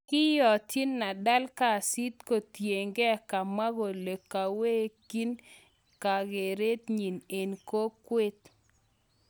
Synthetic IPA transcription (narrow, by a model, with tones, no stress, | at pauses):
kɪ˦jɔ˨ti˦nːa˨da˦lka˦˨si˦t̪ko˨tje˨ŋɡe˦a˨ka˨ma˦ɡo˨le˨kːa˨we˦ki˦n | ka˨ɡe˨ɾe˦t̪ɲi˨ne˨nko˦kwe˦t̪